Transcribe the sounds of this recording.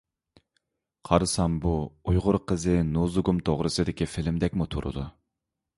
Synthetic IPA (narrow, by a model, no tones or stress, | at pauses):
qʰɑɾɨsɑmbuujʁʊɾqʰəzɨnuzuɡumt̪ʰoʁɾɨsɨd̪ɪkʲifɪlɪmd̪ɛkʲmut̪ʰṵɾɨ̰d̪u